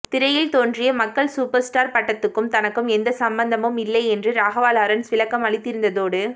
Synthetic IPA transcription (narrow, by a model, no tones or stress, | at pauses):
t̪ɪɾɐjɪlt̪oːndrɪjɐmɐkːɐɭsuːpɐɾsʈaːɾpɐʈːɐt̪ːɯkːɯmt̪ɐnɐkːɯmɛnd̪ɐsɐmbɐnd̪ɐmɯmɪlːɐɪɛndrɯɾaːɣɐʋaːlaːɾɐnsʋɪlɐkːɐmɐɭɪt̪ːɪɾɯnd̪ɐðoːɽɯ